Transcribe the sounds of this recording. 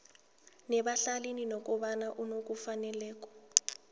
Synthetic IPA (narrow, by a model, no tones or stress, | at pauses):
nɛɓaɬaleninɔkʼɔɓanaʔunok̬ʼufanɛlɛːk̬ɔ̥